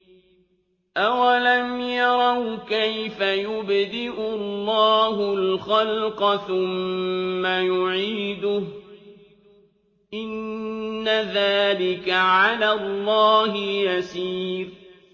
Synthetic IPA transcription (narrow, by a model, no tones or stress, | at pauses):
ʔawalamjɑɾˤɑwkajfajʊbd̪ɪʔʊlːɑːɦʊlxɑlqɑθʊmː | ajʊʕiːd̪ʊh | ʔɪnː | aðaːlɪkaʕalaːlˤːɑːhɪjasiːɾ